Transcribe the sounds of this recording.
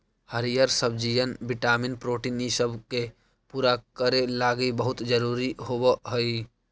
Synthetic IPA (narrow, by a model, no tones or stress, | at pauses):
həɾijəɾsəbd͡ʒijənbɪʈaːmɪnpɾoːʈiːnisəbʱke | puːɾakəɾelaːɡibəɦʊt̪d͡ʒəɾuːɾiɦobəɦəi